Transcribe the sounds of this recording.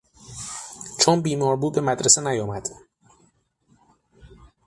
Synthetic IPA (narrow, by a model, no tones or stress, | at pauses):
t͡ʃʰonbiːmɒːɾbuːd̪̚be̞mæd̪ɾese̞næjɒːmæd̪̥